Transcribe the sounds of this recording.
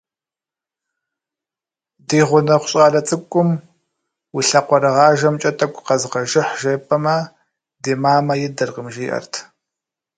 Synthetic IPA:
diːʁʷʊnɐχʷʊ̥ɕʼaːɮɐt͡sʼɨkʷʼːʊm | wiɬɐqʷɔɾɨʁɑːʒɐmt͡ʃʼɐtʰʼɐkʷʰʼqɐzqɐʒɪħʒɐpʰʼɐmɐ | deːmaːmɐjɪdɐrqəmʒiːʔɐ̰rtʰ

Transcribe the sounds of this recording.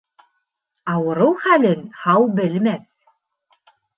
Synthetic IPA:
ɑwɤ̆ɾɤwχælɘnhɑwbɘ̆lmæθ

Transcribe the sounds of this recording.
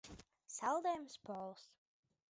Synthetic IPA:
salˠd̪ɛjmspɔːlˠs

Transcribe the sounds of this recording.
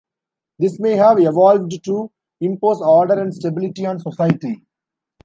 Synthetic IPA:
d̪ɪsmeːɦæʋeʋɔːlʋɖʈu | ɪ̃mpoːzɔːɾɖəɾɛ̃ɳɖsʈebɪlɪʈiɔ̃ːnsɔsajəʈi

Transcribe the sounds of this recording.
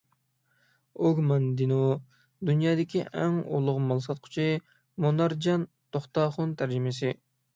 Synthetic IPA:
oɡmɑnd̪ino | d̪unjɑːd̪ɪkʲʰiʔæŋo̰lˠʊʁmɑlˠsɑt̪̚qʰʊ̥t͡ʃʰi | monɑɾd͡ʒɑn | t̪ʰoχt̪ɑːχʊnt̪ʰæɾd͡ʒɪmɪsɪ

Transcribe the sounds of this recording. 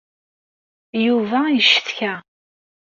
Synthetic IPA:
juvæjəʃːəθçæ

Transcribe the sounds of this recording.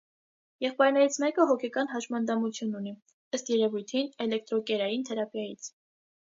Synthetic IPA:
jɛχpɑjɾnɛɾit͡sʰmɛkəɦɔkʰɛkɑnɦɑʃmɑnd̪ɑmut͡sʰjununi | əst̪jɛɾɛvujt̪ʰinɛlɛk̚t̪ɾɔkɛɾɑjint̪ʰɛɾɑpjɑjit͡sʰ

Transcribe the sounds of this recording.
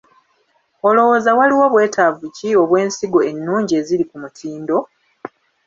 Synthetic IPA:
olo̞wo̞ːzawaliwo̞βwe̞ːtʰavucio̞βwe̞ːnsiɡo̞e̞nːuːɲɟie̞zilikumutʰiːndo̞

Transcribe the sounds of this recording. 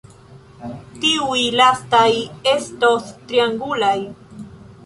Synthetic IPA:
t̪iujlast̪aje̞st̪ost̪ɾiaŋɡulaj

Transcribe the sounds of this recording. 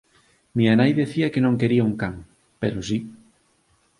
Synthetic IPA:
mianajðeθiɐkenõŋkeɾiauŋkaŋ | peɾos̬i

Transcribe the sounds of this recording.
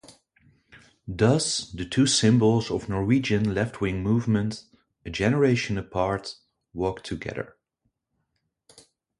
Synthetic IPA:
dʌzðɨtʰʉsɪ̃mbl̩ˠzʌvnɔɹwid͡ʒɨ̃nlɛftʰwɪ̃ŋmuvmə̃nt | ɨd͡ʒɛnə˞eɪʃɨ̃nəpʰɑɹt | wɔˑktʰɨɡɛ̰ðə̰˞

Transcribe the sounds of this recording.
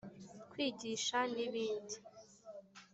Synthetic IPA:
kwiːɟiʃaniβiːndi

